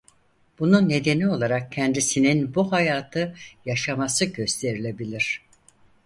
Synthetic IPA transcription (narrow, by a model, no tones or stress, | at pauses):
b̥ununːe̞d̪e̞nio̞lˠaɾak̚cʰɛnd̪isininbuɦajaːt̪ʰɯjaʃamasɯɟø̞st̪ʰe̞ɾilʲe̞bilʲiɾ̥